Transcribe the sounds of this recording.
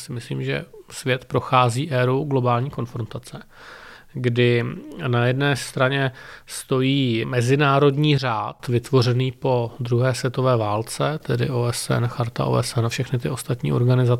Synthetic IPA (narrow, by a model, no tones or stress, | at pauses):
sɪmɪslḭːmʒɛ̰svjɛt̪pɾo̞xaːziːʔɛːɾuɡlo̞baːlɲiːko̞nfɾo̞nt̪at͡sɛ | ɡdɪnajɛdnɛːst̪ɾaɲɛst̪o̞jiːmɛzɪnaːɾo̞dɲiːr̝aːt̪vɪt̪vo̞rɛniːpo̞d̪ɾuɦɛːsvjɛt̪ovɛːvaːlt͡sɛt̪ɛdɪ̰ʔoːɛsɛ̰nxaɾt̪a̰ʔo̰ːʔɛsɛnafʃɛxnɪt̪ɪʔo̞st̪at̪ɲḭːʔo̞ɾɡanɪza